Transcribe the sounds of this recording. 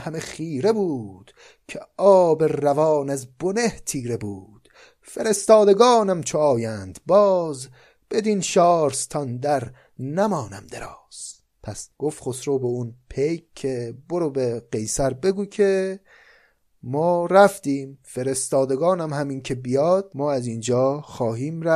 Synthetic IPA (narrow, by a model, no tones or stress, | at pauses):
hæmeχiːɾe̞buːd̪̥ | cʰeɒːbe̞rævɒːnæzboneht̪ʰiːɾe̞buːd̪̥ | fe̞ɾe̞st̪ɒːd̪eɡɒːnæmt͡ʃʰoɒːjænd̪̥bɒːz | b̥e̞d̪iːnʃɒːɾst̪ʰɒnd̪æɾ | næmɒːnæmd̪eɾɒːs | pʰæsɡ̥ofχosɾoːbeunpʰejkʰːeboɾobeɢejsæɾbe̞ɡuːkʰe | mɒːɾæft̪iːmfe̞ɾe̞st̪ɒːd̪eɡɒːnæmhæmiːncʰe̞bijɒːd̪̥̚mɒːæzind͡ʒɒːxɒːɦiːmɾæ